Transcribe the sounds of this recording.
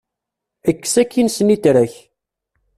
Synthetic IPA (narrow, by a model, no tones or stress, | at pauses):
əkːsækːinsənit̪ɾæç